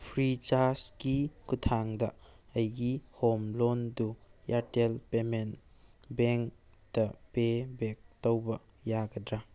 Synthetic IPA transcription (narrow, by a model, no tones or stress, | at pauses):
pʰɾit͡ʃaskikutʰaŋdɐɐjɡihomlondujatelpemen | beŋk̚ | d̥ɐpebek̚towbɐ | jaɡɐdɾa